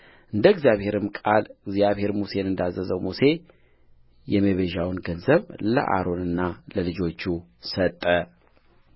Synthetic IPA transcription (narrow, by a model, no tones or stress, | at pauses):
ʔɨnd̪əɡzjaβhe̞ɾɨmkʼalɨɡzijaβhe̞ɾmuse̞nɨnd̪azːəzəwmuse̞ | jɛmeβeʒawnɡənzəβlə̰ʔa̰ɾo̞nɨnːaləlɨd͡ʒo̞t͡ʃːusət̪ʼːə